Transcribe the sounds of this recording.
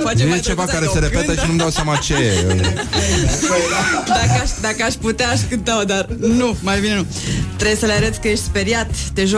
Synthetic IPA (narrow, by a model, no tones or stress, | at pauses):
fat͡ʃejet͡ʃe̞vakaɾese̞ɾepet̪əʃinumd̪awsjamat͡ʃeee | d̪akəaʃd̪akəaʃput̪eaːʃkɨnt̪aod̪arnumajbine̞nu | t̪ɾesəleaɾet̪sʲkəje̞ʃt̪spe̞ɾjat̪ːe̞ʒo